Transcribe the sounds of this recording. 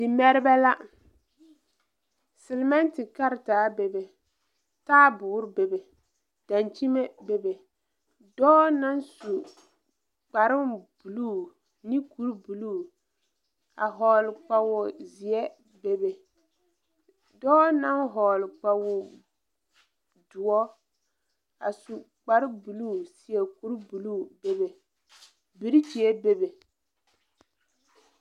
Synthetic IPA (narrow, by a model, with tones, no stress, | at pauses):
dɪ˨mɛ˦ɾɪ˦bɛ˦la˦ | sɪ˨lmɛ˦ntɪ˨ka˦ɾtaː˨˦be˨be˨ | taː˦bʊ˨˦ɾbe˨be˨ | d̥a˨nt͡ʃi˦me˦be˨be˨ | dɔː˦na˦nsu˨ | k͡pa˨ɾɪ˦mb̥u˨lu˦˨ | ni˦ku˦ɾbu˨lu˦˨ | a̰˨ɦɔː˨lɪ˨k͡pa˨wʊ˨zi˨ɛ˦ | be˦be˨ | dɔː˦na˦nɦɔː˨lk͡pa˨wʊ˨ | dʊ˨ɔ˦ | a̰˨su˨ | k͡pa˨ɾɪ˦bu˨lu˦˨si˨ɛ˨ku˦ɾbu˨luː˦˨be˦be˨ | bi˨˦ɾi˦t͡ʃi˨e˦be˦be˨